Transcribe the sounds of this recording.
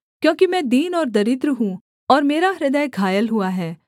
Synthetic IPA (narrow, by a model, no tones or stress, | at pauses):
kjõːkimɛ̃d̪iːnɔːɾd̪ɐɾɪt̪ɾɦũː | ɔːɾmeːɾaɐɾɪd̪əːɡʱaːjəlɦʊaɦɛː